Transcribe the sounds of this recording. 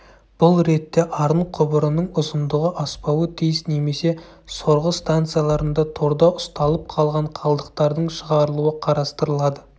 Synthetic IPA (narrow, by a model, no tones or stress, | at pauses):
b̥ʊlˠɾe̞t̪ːe̞ʔɑɾəɴqʰʊbəɾənəɴʊzənd̪əʁəʔɑspɑwət̪ʰijsne̞me̞se̞ | so̞ɾʁəst̪ant̪sɨjalˠɑɾənd̪ɑt̪ʰo̞ɾd̪ɑʔʊst̪ɑlˠəp̚qʰɑlˠʁɑɴqʰɑlˠd̪əqt̪ɑɾd̪əɴʃəʁɑɾəlˠuəqʰɑɾɑst̪əɾəlˠɑd̪ə